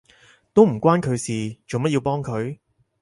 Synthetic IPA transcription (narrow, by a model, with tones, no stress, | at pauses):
t̪o˥wm̩˨˩kʷwaː˥nkʰɵ˨˧ɥsiː˨t͡ʃo˨wmɐ˥t̚jiː˧wpɔː˥ŋkʰɵ˨˧ɥ